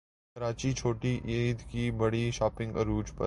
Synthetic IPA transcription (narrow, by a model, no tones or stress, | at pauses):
kɐɾaːt͡ʃit͡ʃʰoːʈiʔeːd̪kibɐɽiʃaːpɪ̃ŋɡə̰ɾuːd͡ʒpɐ̰